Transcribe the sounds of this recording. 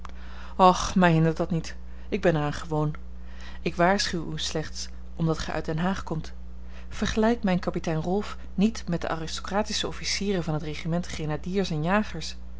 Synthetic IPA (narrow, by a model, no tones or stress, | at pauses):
ɑχmɛjɦɪndəɹtdɑtnit | ɪɡ̚bɛnɛɹaːnχəʋown | ɪkʋaːɹsχywyslɛχts | ʔɔmdɑtχɛ̰jʔœ̰ɥtdɛnɦaːχkɔmt | fəɹχəlɛjk̚mɛjnkɑpitɛjnrɔlˠf | nitmɛt̚də̰ʔa̰ːrɪstokraːtisəɔfisiːrəvɑnɦətreχimɛntχenadiːɹsɛnjaːχəɹs